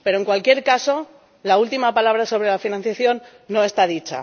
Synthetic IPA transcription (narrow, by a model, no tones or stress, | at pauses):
peɾo̞e̞ŋkwalkje̞ɾkaso̞ | lault̪imapalaβ̞ɾaso̞β̞ɾe̞lafinãn̟θjaθjo̞nː | o̞e̞st̪að̞it͡ʃa̰